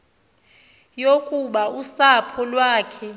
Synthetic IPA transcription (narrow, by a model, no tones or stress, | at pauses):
jokʼuɓausapʰɔlwaːkʰɛ